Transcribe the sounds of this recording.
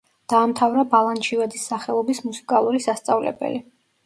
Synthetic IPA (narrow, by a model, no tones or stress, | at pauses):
d̪̥aːmt̪ʰavɾabalˠant͡ʃʰivɛd̪isːaχɛlˠɔbismusi̥kʼalˠuɾisast̪sʼavlɛ̰bɛ̰li